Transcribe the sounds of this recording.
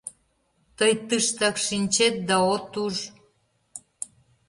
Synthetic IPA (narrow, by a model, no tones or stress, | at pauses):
t̪əjt̪ɨʃt̪ɑkʃinʲt͡ɕet̪̚d̪ɑot̪uʒ